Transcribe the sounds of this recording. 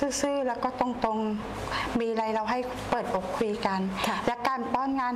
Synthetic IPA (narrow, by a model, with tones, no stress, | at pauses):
sɯː˥˩sɯː˥˩lɛː˦˥wkɔː˥˩t̪ɔ˧˥˩ŋt̪o˧ŋ | miː˧ɾa˧jɾa˧wɦa˥˩j | pɤː˨˩t̪̚ʔo˨˩kʰːu˧ka˧n˧lɛ˦˥kaː˧nt̪ɔː˥˩nŋaː˧n